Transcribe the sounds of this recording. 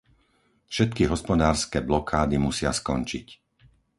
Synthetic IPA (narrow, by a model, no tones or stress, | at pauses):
fʃɛt̪̚kiɦɔspɔd̪aːɾskɛːblɔkʰaːd̪imusɪaskɔnt͡ʃḭc